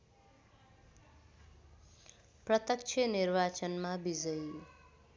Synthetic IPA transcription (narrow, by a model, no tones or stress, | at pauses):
prʌt̪ʌk̚t͡ʃʰʌnirbat͡sʌnmabid͡zʌj